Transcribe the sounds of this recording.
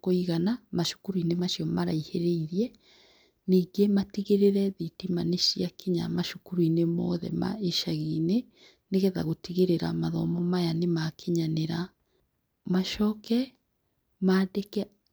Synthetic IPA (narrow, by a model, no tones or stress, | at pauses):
koiɣanamaʃu̥kuɾuinemaʃiɔmaɾaiheɾeiɾjɛ | niːŋɡematiɣeɾeɾɛðitimaneʃjakeɲa̰maʃukuɾuinemɔðɛ̰ma̰eʃaɣine | neɣɛða̰ɣotiɣeɾeɾa̰maðɔmɔmajanemakʰeɲaneɾa | maʃɔːkɛ | maːdekɛ